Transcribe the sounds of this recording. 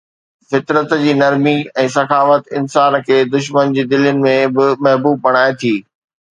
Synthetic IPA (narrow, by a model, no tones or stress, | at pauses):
fɪt̪ɾət̪d͡ʑiːnɐɾmiɛ̃ːsɐkʰaːfət̪ɪnsaːnkʰeːd̪ʊʃ̬mənd͡ʑiːd̪ɪljənɪ̆mẽbɪmɐɦbuːb̚ːɐɽ̃aːet̪ʰiː